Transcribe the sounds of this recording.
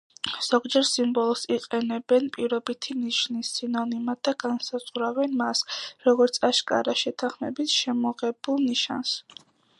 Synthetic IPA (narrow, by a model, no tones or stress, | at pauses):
z̥ɔɡd͡ʒɛɾsimbɔlˠɔsiqʼɛnɛbɛnpʼiɾɔbit̪ʰiniʃnisːinɔnimad̪aɡ̥ansaz̥ʁɾawɛnmasɾɔɡɔɾt̪sʰaʃkʼa̰ɾaʃɛt̪ʰaχmɛbisʃɛmɔʁɛbulˠniʃa̰ns